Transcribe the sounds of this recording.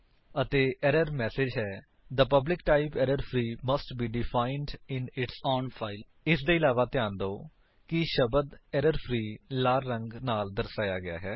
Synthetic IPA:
ət̪eːʔɛɾəɾmɛːsed͡ʒɦɛː | d̪əpəblɪkʈaːɪpɛːɾəɾpʰɾiːməsʈbiːɖɪfʰaːɪnɖɪnɪʈsɔːnfʰaːɪl | ɪsd̪eːɪlaːʋaːt̪ɪjãːnd̪oː | kɪʃəbəd̪ɛɾəɾpʰɾiːlaːɾɾə̃ŋɡnaːld̪əɾsaːjaːɡɪja̰ːɦɛː

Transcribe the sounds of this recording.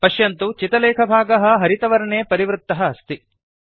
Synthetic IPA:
pɐʃjɐnt̪ut͡ʃit̪ɐlɛːkʰɐbʱaːɡɐɦɐ̆ɦɐɾit̪ɐʋɐɾɐneːpɐɾiʋɾut̪ːɐɦɐːst̪i

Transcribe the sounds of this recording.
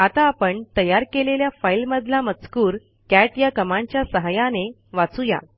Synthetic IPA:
at̪aːpəɳt̪əjaɾkeleljafailməd̪ʱlamət͡skuːɾ | kæʈjakəmãɲt͡ɕjasəɦajane | ʋat͡suja̰

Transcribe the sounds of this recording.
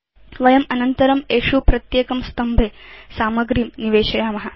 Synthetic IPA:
ʋɐjɐmɐnɐnt̪ɐɾɐmeːʂupɾɐt̪jeːkɐmst̪ɐmbʱeːsaːmɐɡɾiːmniʋeːʃɐjaːmɐɦɐ

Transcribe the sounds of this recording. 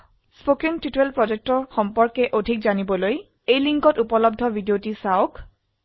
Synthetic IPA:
spokiŋtitelpɹɔd͡ʒek̚tɔɹxɔmpɔɹkɛʔodʱikzanibɔloj | ejliŋkɔtupɔlɔb̚dʱɔbʱidiotisaok

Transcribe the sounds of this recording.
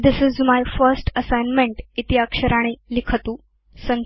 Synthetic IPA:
d̪ɪsɪzmajfəɾsʈəsajnmẽɳʈit̪iɦakʂəɾaɽ̃elikʰət̪uː | sə̃n

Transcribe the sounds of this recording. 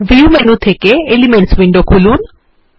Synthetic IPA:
ʋiumenut̪ʰekeelimeɳʈsbiɳɖokʰulun

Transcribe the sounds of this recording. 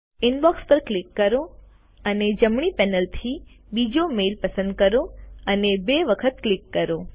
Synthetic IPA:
ɪnbɔkspəɾklɪkːəɾo | əned͡ʒəmɳipɛnəlt̪ʰi | bid͡ʒomelpəsə̃nd̪̚kəɾoənebeʋəkʰət̪klɪkːəɾo

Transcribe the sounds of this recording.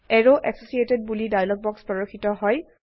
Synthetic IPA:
ɛɹoʔɛksosieted̚bulidajlɔɡ̚bɔkspɹɔɹoxʰitɔɦɔj

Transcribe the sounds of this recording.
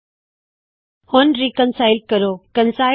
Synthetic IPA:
hʊnɾikənsaːɪlɖ̚kɐɾoːkə̃nsaːɪ

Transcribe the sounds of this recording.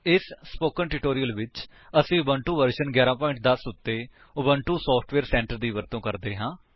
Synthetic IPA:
ɪsːpoːkənʈɪʈoːɾijəlʋɪt͡ʃ | əsĩːʊbəɳʈuːʋəɾʃənɡjaːɾãːpɔːɪ̃ɳʈ̚d̪əsʊt̪ːeː | ʊbəɳʈuːsɔːpʰʈʰʋeːɾsɛ̃ːɳʈəɾd̪iːʋəɾt̪õːkəɾd̪eːɦãː

